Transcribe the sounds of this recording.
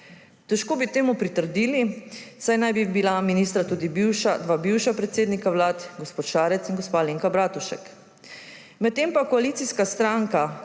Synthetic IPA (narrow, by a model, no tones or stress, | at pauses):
t̪ɛʃkoːbit̪eːmupɾit̪əɾd̪iːlisajnajbibilaminiːst̪ɾat̪uːd̪ibiwʃad̪ʋabiwʃapɾɛt̪seːd̪nikawlaːt̪ɡospoːt̪ʃaːɾɛt̪sinɡɔspaleːŋkabɾaːt̪uʃɛk | mɛt̪̚ːeːmpakɔaliːt̪siskast̪ɾaŋka